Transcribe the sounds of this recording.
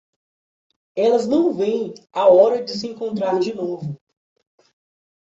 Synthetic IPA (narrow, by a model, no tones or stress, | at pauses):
ɛlɐznɐ̃w̃vẽj̃aɔɾɐd͡ʒɪs̬ɪẽŋkõnt̪ɾaɾd͡ʒɪnovʊ